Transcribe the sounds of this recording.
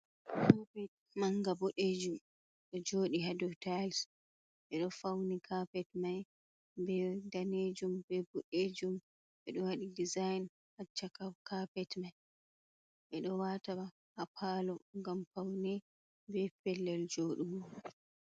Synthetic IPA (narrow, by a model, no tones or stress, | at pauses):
hɔbɛt̚ | maŋɡaboɗed͡ʒum | ɗɔd͡ʒoːɗiɦadɔtajls | ʔɛɗɔfawnikʰapɛtmaj | bɛdaned͡ʒumbɛbɔɗed͡ʒum | ʔɛɗɔwaɗidizajn | hat͡ʃːakakapɛtmaj | ʔɛɗɔwataba | hapʰaːlɔŋɡamfawnɛ | bɛpɛlːɛld͡ʒoːɗuwɔ